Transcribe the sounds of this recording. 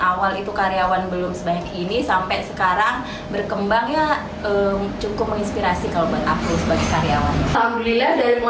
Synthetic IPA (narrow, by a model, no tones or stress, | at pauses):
ʔawalit̪ukaɾiawanbəlʊmsəbaɲakinisampajsəkaɾaŋ | bərkəmbaŋɲa | ət͡ʃukʊp̚məŋinspiɾasikalobaɛt̪akusəbaɡɛkaɾiawanhamdlilahdaɾim